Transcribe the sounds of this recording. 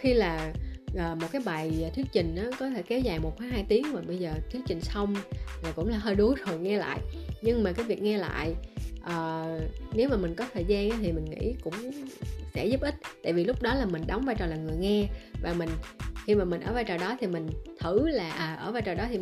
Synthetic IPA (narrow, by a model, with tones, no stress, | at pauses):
xi˧laː˨˩ʔəː˨˩mo˨˩t̚kaː˨˦jɓa˨˩jt̪ʰi˦ək̚t͡ɕï˨˩ŋ̟ʔaː˨˦kɔ˨˦t̪ʰe˧˩ke˨˦wzaː˨˩jmo˨˩t̚fʰaː˨˦ɦaː˧jt̪i˨˦əŋmaː˨˩ɓə˧jzəː˨˩t̪ʰi˦˥ək̚t͡ɕï˨˩ŋ̟sə˧wŋ͡mlaː˨˩kʊ̰˧˥ŋ͡mlaː˨˩ɦəː˧jɗu˨˦zo˨˩jŋɛ˧la̰ː˧˨jɲɨ˧ŋmaː˨˩kaː˨˦jvi˨˩ək̚ŋɛ˧la̰ː˧˨jʔəː˨˩ne˨˦wmaː˨˩mï˨˩ŋ̟kɔ˨˦t̪ʰəː˨˩jzaː˧nʔaː˨˦t̪ʰi˨˩mï˨˩ŋ̟ŋḭ˧˥kʊ̰˧˥ŋ͡msɛ̰˧˥zʊ˦˥p̚ʔï˦˥t̚t̪a̰ː˧˨jvi˨˩lʊ˦˥k͡p̚ɗɔ˨˦laː˨˩mï˨˩ŋ̟ɗɔ˨˦wŋ͡mvaː˧jt͡ɕɔ˨˩laː˨˩ŋɨ˨˩əjŋɛ˧vaː˨˩mï˨˩ŋ̟xi˧maː˨˩mï˨˩ŋʔə̰ː˧˩vaː˧jt͡ɕɔː˨˩jɗɔ˨˦t̪ʰi˨˩mï˨˩ŋ̟t̪ʰɨ˧˩laː˨˩ʔaː˨˩ʔəː˧˩vaː˧jt͡ɕɔː˨˩ɗɔ˨˦t̪ʰi˨˩